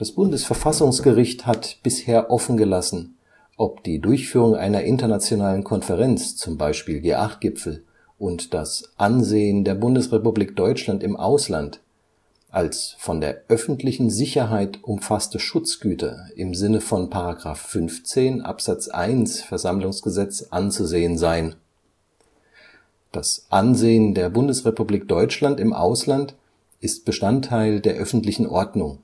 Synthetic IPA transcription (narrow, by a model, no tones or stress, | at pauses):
d̥asb̥ʊndəsfɛɐfasʊŋsɡ̥əʁɪçthatb̥ɪsheːɐʔɔfn̩ɡəlasn̩ | ʔɔpd̥iːdʊɐçfyːʁʊŋʔa̰ɪnɐʔɪntɐnat͡sjonaːlənkʰɔnfɛʁɛnt͡st͡sʊmbaɪʃpiːlɡḛːʔaχt̚ɡ̥ɪpp͡fl̩ | ʔʊntd̥asʔanzeːəndeːɐbʊndəsʁepubliːk̚d̥ɔʏt͡ʃlantɪmʔa̰ʊsla̰nt | ʔalsfɔndeːɐʔœfn̩tʰlɪçn̩zɪçɐɦaɪtʔʊmfastəʃʊt͡sɡ̥yːtʰɐ̰ʔɪmzɪnəfɔnpʰaʁaɡʁa̰ːfːʏnft͡seːnʔa̰pz̥at͡sʔa̰ɪnsfɛɐzamlʊŋsɡ̥əzɛt͡sʔant͡suzeːənzaɪən | d̥asʔanzeːəndeːɐbʊndəsʁepubliːk̚d̥ɔʏt͡ʃlantɪmʔa̰ʊslant | ʔɪst̚b̥əʃtantʰːaɪldeːɐʔœfn̩tlɪçn̩ʔɔɐdnʊŋ